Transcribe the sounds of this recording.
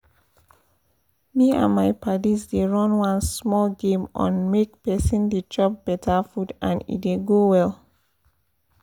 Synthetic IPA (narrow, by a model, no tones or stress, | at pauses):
miã̰nmaɪpʰadisdeɹɔ̃nwãnsmɔlɡẽmʔɔ̰̃nmek̚pɛsĩndid͡ʒɔp̚b̥ɛtʰafudã̰nḭdeɡowɛl